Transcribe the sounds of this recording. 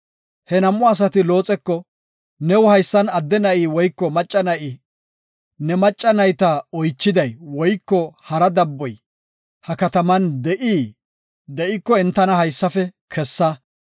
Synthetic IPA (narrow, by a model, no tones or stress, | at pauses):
hɛnɐmːʊɐs̬ɐt̪ɪlo̞ːt͡sʼɛkːɔ | nɛwʊhɐjsːɐnɐd̪ːɛnɐʔiːwɔjkːɔmɐt͡ʃʼːɐnɐʔɪ | nɛmɐt͡ʃʼːɐnɐjt̪ɐɔjt͡ʃːɪd̪ɐjwɔjkːɔhɐɾɐd̪ɐbːɔj | hɐkɐt̪ɐmɐnd̪ɛʔiː | d̪ɛʔɪkːɔɛnt̪ːɐnɐhɐjsːɐfɛkʰɛsːɐ